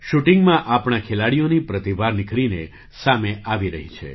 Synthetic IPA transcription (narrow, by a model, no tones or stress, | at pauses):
ʃuʈɪŋɡmãʔapɳakʰelaɽijonipɾət̪iʋaɾnɪkʰɭine | sameʔaʋiɾəɦit͡ʃʰḛ